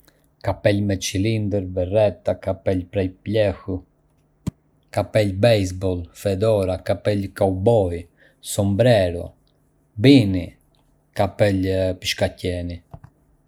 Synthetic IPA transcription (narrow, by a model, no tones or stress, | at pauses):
kapɛlmɛt͡ʃilind̪ɛɾvɛrɛt̪akapɛlpɾɛlplɛxu | kapɛlbɛjsbɔlˠfɛd̪ɔɾakapɛlkawbɔj | sɔmbɾɛɾɔ̰ | bini | kapɛlpiʃkacɛni